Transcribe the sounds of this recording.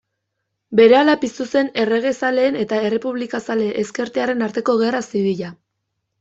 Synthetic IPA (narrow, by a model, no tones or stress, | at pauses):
be̞ɾe̞alapist̪use̞ne̞re̞ɣ̞e̞sale̞ːne̞t̪ae̞re̞puβlikasale̞ʔːske̞ɾt̪eaɾe̞naɾt̪e̞ko̞ɣ̞e̞rasiβiʎa